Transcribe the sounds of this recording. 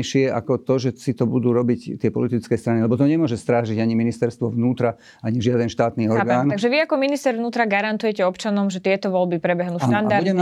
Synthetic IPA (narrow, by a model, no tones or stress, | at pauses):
ʃɪɛʔa̰kɔt̪ɔʒɛsit̪ɔbud̪uːɾɔbict̪ɪɛpɔ̰lit̪it͡skɛːst̪ɾanilɛbɔt̪ɔɲɛmʊɔʒɛst̪ɾaːʒiɟaɲiminist̪ɛɾst̪ʋɔʋnuːt̪ɾa | aɲiʒɪad̪ɛnʃt̪aːt̪niːɔɾɡaːnaɡʒɛʋiakɔminist̪ɛɾʋnuːt̪ɾaɡaɾant̪ujɛcɛɔpt͡ʃanɔmʒɛt̪ɪɛt̪ɔʋɔlbipɾɛbɛɦnuːand̪aɾuɛm